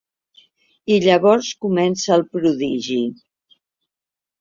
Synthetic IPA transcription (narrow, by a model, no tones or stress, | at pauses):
iʎəβɔɾskumɛnsəːlˠpɾuðiʒi